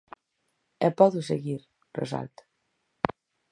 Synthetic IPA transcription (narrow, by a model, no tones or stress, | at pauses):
ɛpɔðuseɣiɾ | rḛsa̰lt̪ḁ